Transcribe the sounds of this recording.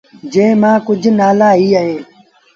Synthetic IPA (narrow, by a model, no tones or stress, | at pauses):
d͡ʒẽːmãːkʊd͡ʒʱnaːlaːɦiːəɦeː